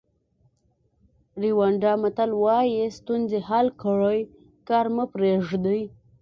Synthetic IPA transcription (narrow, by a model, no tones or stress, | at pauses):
ɾiwaɳɖɑmat̪alwɑjest̪unzehalkəɽəj | kɑːɾməpɾeʐd̪əj